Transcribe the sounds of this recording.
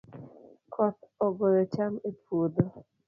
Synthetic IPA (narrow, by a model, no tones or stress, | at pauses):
kʰɔt̪ɔɡɔjɔt͡ʃamepʰod̪o